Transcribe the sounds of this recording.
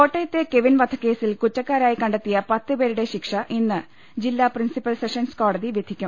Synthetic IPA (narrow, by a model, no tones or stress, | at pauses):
ko̞ːʈːejɐt̪ːeke̞ʋinʋɐd̪ʰʱɐkːe̞ːsilkut͡ɕːɐkːaːɾaːjikɐɳɖet̪ːijɐpɐt̪ːɨbe̞ːɾuɽe̞ɕikʂɐʔinːɨ | d͡ʑilːaːprinsipːɐlseʂɐnsko̞ːɽɐðiʋjɐd̪ʱikʲːum